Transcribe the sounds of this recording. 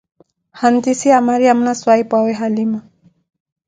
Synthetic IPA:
han̩t̪isiamaɾiamunaswaipwawɛɦalima

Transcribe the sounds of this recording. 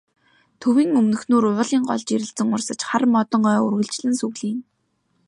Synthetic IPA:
t̪ʰɵwiːŋɵmnɵ̆xnuːɾʊw̆ɮiːŋɢɔ̰ɮt͡ɕeɾɘ̆ɮt͡sɘ̆ŋʊrsə̆t͡ɕχarmɔt̪ɞ̆ɴɢœːṵrɣɘ̆ɮt͡ɕɮɘ̆nsɵɣɮiːn

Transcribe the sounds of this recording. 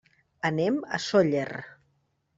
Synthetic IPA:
ənemə̰soʎer

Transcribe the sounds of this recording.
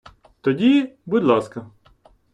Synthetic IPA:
t̪ɔdʲibʊd̪ʲlˠɑskɐ

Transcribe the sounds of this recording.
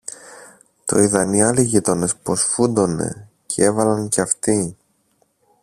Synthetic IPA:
t̪o̞iðɐniɐliʝit̪o̞ne̞spo̞sfund̪o̞ne̞̰ | cʰee̞vɐlɐnceɐft̪i

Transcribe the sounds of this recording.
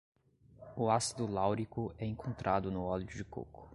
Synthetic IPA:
ʊasid̪ʊlawɾikʊɛẽŋkõnt̪ɾʔad̪ʊnʊɔlʊd͡ʒɪko̰kʊ̥

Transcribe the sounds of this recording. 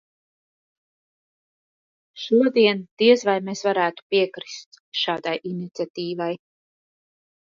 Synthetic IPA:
ʃuɔd̪iɛnt̪iɛsvajmesvaɾæːt̪u̥piɛkɾi̥st̪ | ʃɑːd̪ajʔinit̪sʲat̪iːvaj

